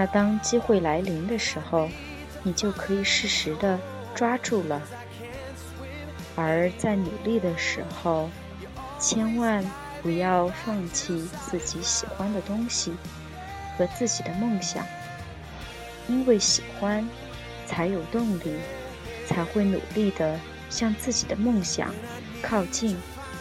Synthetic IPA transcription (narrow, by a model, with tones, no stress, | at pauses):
na˥˧t̪ɑ˥ŋt͡ɕi˥xwe˥˩ɪla˧˥ɪli˧˥ŋd̪ə˧ʂɻ̩˧˥xo˧ʊ | ni˨˩t͡ɕjo˥˩ʊkʰɤ˧˥i˨˩ʂɻ̩˥˩ʂɻ̩˧˥d̪ə˧ | ʈ͡ʂwa˥ʈ͡ʂu˥˩lə˩ | ə˞˧˥t͡sa˥˩ɪnu˨˩li˥˩d̪ə˩ʂɻ̩˧˥xo˥˧ʊ | t͡ɕʰjɛ˥nwa˥˩n | pu˧˥jɑ˥˧ʊfɑ˥˧ŋt͡ɕʰi˥˩t͡sɹ̩˥˩t͡ɕi˧˥ɕi˨˩xwa˥nd̪ə˨t̪ʊ˥ŋɕi˨˩ | xɤ˧˥t͡sɹ̩˥˩t͡ɕi˨˩d̪ə˦mɤ˥˩ŋɕjɑ̰˨˩˦ŋ | i˥nwe˥˩ɪɕi˨˩xwa˥n | t͡sʰa˧˥ɪjo˨˩ʊt̪ʊ˥˧ŋli˥˩ | t͡sʰa˧˥ɪxwe˥˩ɪnṵ˨˩li˥˩d̪ə˩ | ɕjɑ˥˧ŋt͡sɹ̩˥˩t͡ɕi˨˩d̪ə˦mɤ˥˩ŋɕjɑ̰˨˩˦ŋ | kʰɑ˥˧ʊt͡ɕi˥˩n